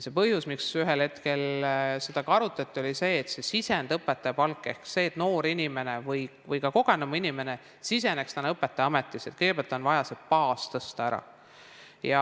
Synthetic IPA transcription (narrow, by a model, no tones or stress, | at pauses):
se̞pɤhjusmiksyɦelhe̞t̪ke̞lse̞d̪̥ɑkɑɾut̪ːˑɑt̪ːˑio̞lise̞ːt̪se̞sisend̪ɤpːˑet̪ːˑɑjɑpɑlkːˑe̞hkse̞ːt̪ːˑno̞ːɾinʲime̞nevɤjvɤjkɑko̞ɡ̥enɑmuinime̞ne | sisenekst̪ɑnɤpːˑet̪ːˑɑjɑmet̪ˑːise̞t̪̚kɤjɡ̥epɑlt̪ˑo̞nvɑjɑsepɑːst̪ɤst̪ɑæɾɑ̰ | jɑ